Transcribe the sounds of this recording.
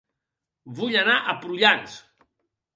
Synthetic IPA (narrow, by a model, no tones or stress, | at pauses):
βuʎanaʔəpɾuʎans